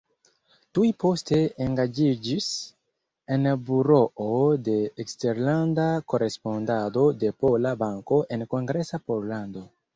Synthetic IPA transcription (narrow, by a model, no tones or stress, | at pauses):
tujpo̞ste̞ːŋɡad͡ʒid͡ʒis | e̞nbuɾo̞ʔode̞ːkste̞ɾlandako̞ɾe̞spo̞ndado̞de̞po̞labaŋko̞ʔe̞nko̞ŋɡɾe̞sapo̞llando̞